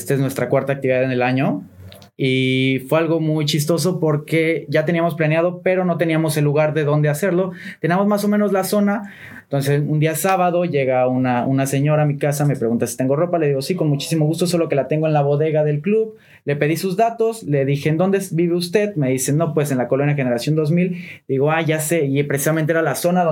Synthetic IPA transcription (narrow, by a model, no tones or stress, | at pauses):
st̪eeznwe̞st̪ɾakwaɾt̪ak̚t̪iβiðaðenelaɲo̞ | ifwealɣo̞mujt͡ʃis̬t̪o̞s̬o̞po̞ɾke̞ʝat̪e̞niamo̞s̬planjað̞o̞pe̞ɾo̞no̞t̪e̞niamo̞se̞lːuɣaɾðe̞ðo̞nd̪e̞ase̞ɾlo̞t̪e̞niamo̞zmaso̞mẽno̞zlaso̞na | ent̪o̞ns̬esund̪iasaβaðo̞ʝe̞ɣaunaṵnase̞ɲo̞ɾaːmikasame̞pɾe̞ɣunt̪asi̥t̪e̞ŋɡo̞ro̞pale̞ðiɣo̞siko̞nmut͡ʃi̥simo̞ɣ̞ust̪o̞so̞lo̞ke̞lat̪e̞ŋɡoenlaβo̞ðe̞ɣaðe̞lkluβ | le̞pe̞ðisuzðat̪o̞sle̞ðixe̞ːnd̪o̞nd̪ebiβeust̪e̞ðme̞ðise̞no̞pwe̞senlakolonjaxe̞ne̞ɾasjo̞nd̪o̞zmild̪iɣo̞aʝase̞ipɾesi̥sament̪eeɾalaso̞naðo